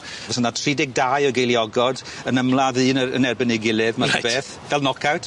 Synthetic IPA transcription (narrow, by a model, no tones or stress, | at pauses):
ɔsənatʰridɪɡ̚daːjɔɡejlˠjɔɡɔd | ənəmlˠaðɨːnəə̰nɛrbənɪɡɪlˠɨvmabeːθ | vɛlˠnɔkʰawtʰ